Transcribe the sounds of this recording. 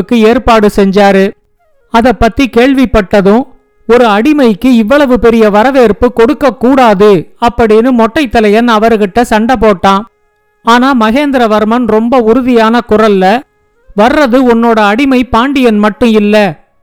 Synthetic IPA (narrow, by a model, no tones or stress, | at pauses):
kːɯeːɾpaːɽɯsɛɲd͡ʒaːɾɯ | ɐðɐpːɐt̪ːikeːɭʋɪpːɐʈːɐðɯ̃ | ɔɾɯɐɽɪmɐɪkːɯɪʋːɐɭɐʋɯpɛɾɪjɐʋɐɾɐʋeːɾpɯkɔɽɯkːɐkːuːɽaːðɯɐpːɐɽɪnɯmɔʈːɐɪt̪ːɐlɐjɐnɐʋɐɾɯɣɪʈːɐsɐɳɖɐp̬oːʈːãː | aːnaːmɐɣeːnd̪ɪɾɐʋɐɾmɐnɾɔmbɐʊɾʊðɪjaːnɐkʊrɐlːɐ | ʋɐrːɐðɯʊnːoːɽɐːɽɪmɐɪpaːɳɖɪjɐnmɐʈːɯ̃ɪlːɐ